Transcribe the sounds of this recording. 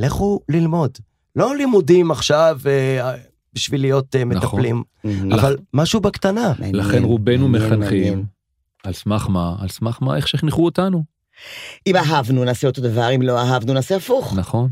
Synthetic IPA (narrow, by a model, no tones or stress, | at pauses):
leχulilmo̞d̪ | lo̞limudimaχʃave | biʃvilijo̞temet̪aplim | avalmaʃubakt̪analaχenʁube̞numeχanχim | alsmaχmaa̰lsmaχma̰eχʃeχniχuotanu | imaɦavnunaːseot̪od̪avaʁimlo̞aɦavnunaːseafuχnaχo̞n